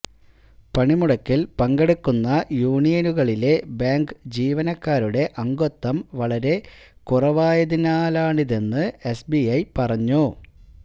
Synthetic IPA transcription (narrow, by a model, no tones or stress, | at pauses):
pɐɳimuɽɐkːilpɐŋɡeɽukːunːɐjuːɳijɐnuɣɐɭile̞baːŋɡɨd͡ʑiːʋɐnɐkːaːɾuɽe̞ʔɐŋɡot̪ːɐmʋɐɭɐɾe̞ | kurɐʋaːjɐðinaːlaːɳiðe̞nːɨesbiɐjpɐrɐɲːu